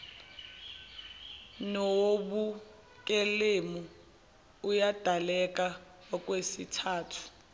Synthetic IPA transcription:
noɓu | kʼelemuː | jad̥ʱalɛk̬ʼa | ɔk̬ʼwesitʰaːtʰu̥

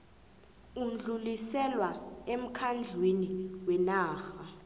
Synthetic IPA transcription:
um̩ɮulisɛlwaem̩kʰand͡ɮʱweniwɛnaːxa

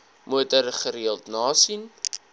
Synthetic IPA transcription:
muətərχəɾiəlˠtnɑːsin

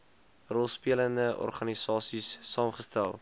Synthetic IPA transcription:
rɔlˠspiələndəʔɔ̰rχɐnisɑːsisːɑːmχəstælˠ

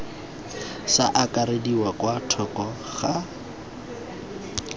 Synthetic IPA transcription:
saʔakʼaɾediwakwatʰɔkɔ | χa

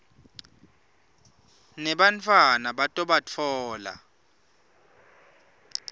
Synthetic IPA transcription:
nɛɓant͡fʰwanaɓatʼɔɓat͡fʰɔːla̰

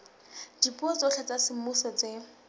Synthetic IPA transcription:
dipuɔt͡soχʰɛt͡sasɪmʊsɔt͡se

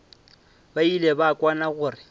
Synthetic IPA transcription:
bailebakʼwanaɣʊːrɪ

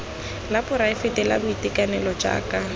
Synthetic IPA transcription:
lapʊɾaɪfetɛla̰bʊitɪkanɛlɔd͡ʒa̰ːka

